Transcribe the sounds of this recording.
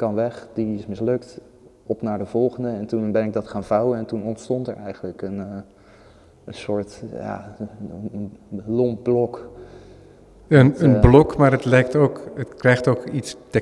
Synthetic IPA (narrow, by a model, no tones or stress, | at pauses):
kɑnʋɛχd̥iɪsmɪslɵkt | ɔpnaːɹdəv̥ɔlˠχəndəɛntunbɛnɪɡ̚dɑtχaːnvʌwəɛntunɔntstɔntəɹɛjχənləkən | ənsʊːɹtja̰ | lɔmp̚blɔk | ənənblɔkmaːɹətlɛjk̚towkətkrɛjχtowkitstə